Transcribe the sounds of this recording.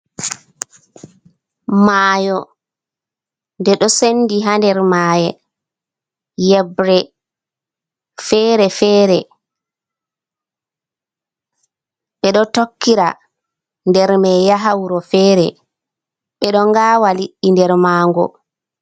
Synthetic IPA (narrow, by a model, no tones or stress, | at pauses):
maːjɔ | ndɛɗɔsenːdiɦandɛɾmaːjɛ | jɛbɾɛ | fɛːɾɛfɛːɾɛ | ɓɛɗɔtokːiɾa | ndɛɾmɛjaɦawɾɔfɛːɾɛ | ɓɛɗɔŋɡaːwaliɗːindɛɾmaːŋɡɔ̰